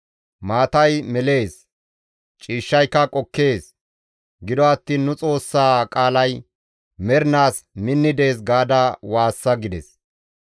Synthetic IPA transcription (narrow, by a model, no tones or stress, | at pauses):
maːt̪ɐjmɛle̞ːs | t͡ʃʼiːʃːɐjkːɐkʼɔkːe̞ːs | ɡɪd̪ɔɐt̪ːiːnːʊt͡sʼo̞ːsːaːkʼaːlɐj | mɛɾnaːsmɪnːɪd̪e̞ːs̬ɡaːd̪awaːsːɐɡɪd̪ɛs